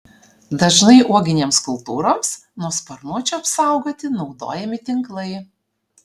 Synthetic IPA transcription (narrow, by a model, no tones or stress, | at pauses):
d̪ɐʒnɐɪʔuɔɡʲɪnʲeːmskʊlˠt̪uːɾoːmsnuɔspɐɾnuɔt͡ʃʲuɐpsɐˑʊɡoːt̪ʲɪnɒʊd̪o̰ːjɛmʲɪt̪ʲɪŋklˠɐɪ